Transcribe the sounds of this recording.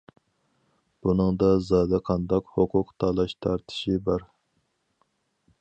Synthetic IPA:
b̥unɨŋd̪ɑzɑːd̪ɛqʰɑnd̪ɑqhoqʰʊqt̪ʰɑlˠɑʃt̪ʰɑɾt̪ʰɪ̥ʃibɑɾ

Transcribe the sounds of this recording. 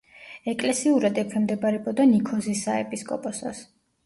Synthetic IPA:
ɛkʼlɛsiuɾad̪ɛpʰɛmd̪ɛbaɾɛbɔd̪anikʰɔzisaɛpʼiskʼɔpʼɔsa̰s

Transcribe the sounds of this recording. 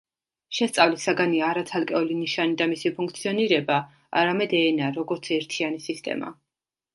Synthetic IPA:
ʃɛst̪sʼavlisaɡaniaːɾat̪sʰalˠkʼɛɔliniʃanid̪amisipʰuŋkʰt̪sʰiɔniɾɛba | a̰ɾamɛd̪ɛnaɾɔɡɔɾt̪sʰɛɾt̪ʰianisist̪ʼɛ̰ma̰

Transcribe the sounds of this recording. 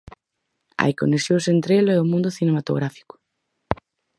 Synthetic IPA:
a̰jko̰neksjoŋsent̪ɾeloeomũnd̪ʊθinemat̪o̰ɣ̞ɾafi̥kʊ̥

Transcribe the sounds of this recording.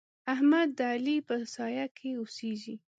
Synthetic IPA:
ahmad̪ːalipəsɑjakʰeoseʒi

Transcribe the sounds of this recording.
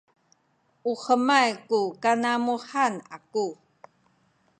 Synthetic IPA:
uhəmajkukanamuħanaku

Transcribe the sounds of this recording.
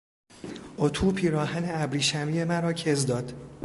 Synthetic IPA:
ʔot̪ʰuːpʰiːɾɒːhæneæbɾiːʃæmije̞mæɾɒːcʰe̞zd̪ɒːd̪̥

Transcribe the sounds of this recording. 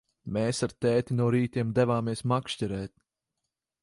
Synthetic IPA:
meːsaɾt̪ɛːt̪ʲinɔɾiːt̪ʲiɛmd̪ɛvaːmiɛsmakʃcʲɛɾɛːt̪̚

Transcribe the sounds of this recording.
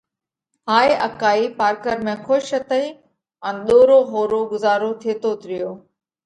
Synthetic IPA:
ɦaːiʔəkaːipaːɾkəɾmẽːxoʃət̪əiː | ə̃nɗ̪oːɾoɦoːɾoɡʊzaːɾot̪ʰeːt̪ot̪ɪɾɪjoː

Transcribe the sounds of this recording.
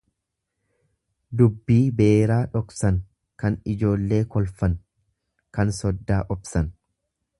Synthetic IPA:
d̪ʊbːiːbe̞ːɾaːᶑɔksɐn | kɐnɪd͡ʒo̞ːlːe̞ːkɔlfɐn | kɐnsɔd̪ːaːʔɔbsɐn

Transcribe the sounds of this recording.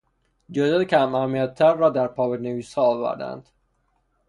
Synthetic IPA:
d͡ʒed̪ecʰʲæmæmijæt̪̚ʰːæɾːɒːd̪æɾpʰɒːbeneviːshɒːɒːvæ̰ɾd̪æ̰nd̪̥

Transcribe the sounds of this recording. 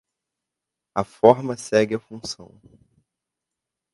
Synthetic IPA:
ɐfɔɾmɐsɛɡɪɐfũsɐ̰̃w̃

